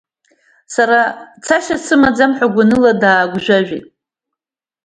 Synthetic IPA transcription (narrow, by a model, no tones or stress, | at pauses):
saɾat͡sʰaʃat͡sʰɨmad͡zamħʷaɡʷanɨladaːɡʷʒᶣʷaʒᶣitʼ